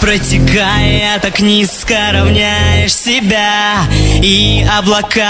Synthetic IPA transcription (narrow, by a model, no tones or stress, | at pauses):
pɾətʲɪkajɪt̪aknʲiskəɾɐvnʲæjɪʂsʲɪbʲa | iɐblˠɐka